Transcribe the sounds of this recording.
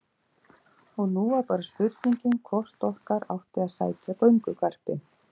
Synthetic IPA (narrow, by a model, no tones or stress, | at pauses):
ɔɣnuːaɾpaːɾaspʏɾt̪iɲcɪnkʰɔr̥t̪ɔhkaɾa̰wht̪ɪaðsa̰ːjcapœɥŋkʏkʰar̥pɪ